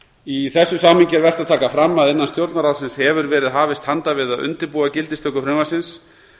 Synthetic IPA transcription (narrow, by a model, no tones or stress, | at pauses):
iθɛsːʏsaːmhɪɲcɪɛɾvɛr̥t̪aðt̪ʰaːkafɾamːaðɛnːanst̪jowɾt̪naɾawsɪnshɛvʏɾvɛːɾɪðɦaːvɪst̪hant̪avɪðaðʔʏ̰nt̪ɪɾpuːacɪlt̪ɪst̪œkʏfɾɪmasɪns